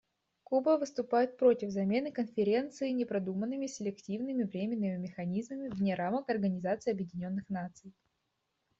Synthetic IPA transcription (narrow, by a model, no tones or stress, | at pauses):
kubəvɨst̪ʊpajɪt̪̚pɾo̞tʲɪvzɐmʲe̞nɨkənfʲɪɾʲe̞nt̪sɨːnʲɪpɾɐd̪umənːɨmʲɪsʲɪlʲɪktʲivnɨmʲɪvɾʲemʲɪnːɨmʲɪmʲɪxɐnʲizməmʲɪvnʲeɾaməkɐrɡənʲɪzat̪sɨːɐbjɪdʲɪnʲo̞nːɨxnat̪sɨj